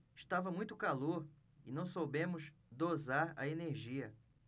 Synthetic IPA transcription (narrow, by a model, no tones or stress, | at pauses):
iʃt̪avɐmũj̃t̪ʊkaloɾ | ɪnɐ̃w̃sobẽmʊzd̪ozaɾɐ̰eneɾʒiɐ